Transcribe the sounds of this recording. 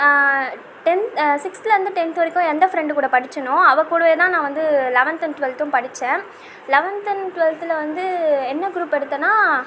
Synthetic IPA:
ʈɛnt̪sɪkslɐʋɐnd̪ɯʈɛnt̪ʋɐɾɪkːʊ̃ɛnd̪ɐfɾɛɳɖɯkuːɽɐpɐɽɪt͡ʃːɐnʊ̃ɐʋɐkuːɽɐʋeːt̪ãːnãːʋɐnd̪ɯlɛʋɐnt̪ɐnʈʊʋɛlt̪ʊ̃mpɐɽɪt͡ʃːẽː | lɛʋɐnt̪ɐnʈʋɛlt̪ɪlɐʋɐnd̪ɯɛnːɐɡɾuːpɛɽɯt̪ːɐnːaː

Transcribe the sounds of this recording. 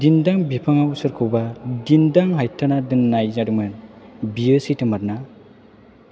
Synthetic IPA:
dindaŋbipʰaŋawsɯɾkʰɯwbadindaŋɦajtʰanadɯnːajzaɾɯmɯnbijɯsitʰɯmaɾ̚na

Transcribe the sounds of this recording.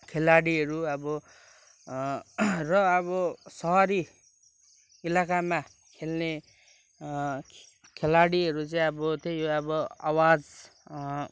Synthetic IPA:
kʰelaɽiɦʌɾuʌbʌ | rʌʌbʌsʌɦʌɾi | ilakama | kʰelne | kʰelaɽiɦʌɾut͡saĩʌbʌt̪ʰejoʌbʌa̰wad͡z

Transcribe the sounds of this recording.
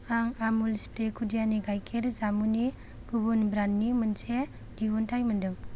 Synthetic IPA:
aŋamulispɾekʰudijaniɡajkʰeɾzamuni | ɡ̥ubunbɾanːimɯnse | diwɔntʰajmɯndɯŋ

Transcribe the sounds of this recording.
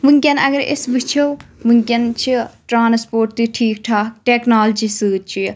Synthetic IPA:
ʋɨŋkʲɐnɐ̰ɡɐɾḛsbit͡ʃʰowʋɨŋkʲɐnt͡ʃʰiʈɾaːnspoːɾʈt̪iʈʰiːkʈʰaːʈeknaːld͡ʒisɨːt̪̚t͡ʃʰi

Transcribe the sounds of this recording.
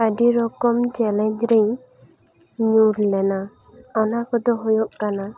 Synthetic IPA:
aɖiɾɔkɔmt͡ʃɛlɛɲd͡ʒɾɛj | ɲuɾlɛna | ɔnakɔd̪ɔɦɔjɔʔkana

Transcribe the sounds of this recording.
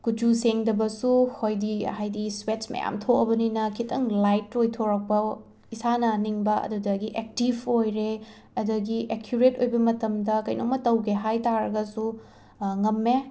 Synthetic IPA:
kut͡ʃuseŋdɐbɐsuhojdihajdiswet͡ʃmɐ̰ja̰mtʰokɐbɐninɐkʰitʰɐŋlajtːojtʰoɾɐk̚pɐ | isanɐniŋbɐɐ̰dudɐɡiʔek̚tibojɾe | ɐduɡiʔekʰjuɾetojbɐmɐtɐmdɐkɐjnomɐtɐwkeɦajtaɾɐɡɐsu | ŋɐmːe

